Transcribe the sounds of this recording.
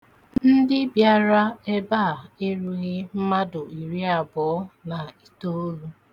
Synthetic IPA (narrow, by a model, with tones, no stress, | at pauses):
nn̩˦dɪ˦bja˦ɾa˦e˦ba˦˨e˦ɾu˨ɣɪ˦m̩˦ma˦dʊ˨i˨ɾi˦a˨bɔ˨˦na˨i˨to˦o˦ɾu˦